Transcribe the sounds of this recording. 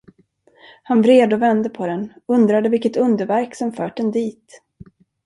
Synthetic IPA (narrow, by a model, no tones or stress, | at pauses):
hanvɾeːd̪ɔvɛnd̪əpʰɔd̪ɛnɵnd̪ɾad̪əvɪlkːət̪ɵnd̪əɾvæɾksɔmfœːʈ̚d̪ɛnd̪iːt̪